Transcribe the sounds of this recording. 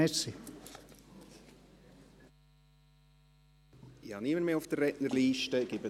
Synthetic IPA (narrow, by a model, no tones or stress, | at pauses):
ɛsi | ihɑniməɾmeːʊfd̥ərːɛʔnəɾliːʃtəɡ̥ɪbə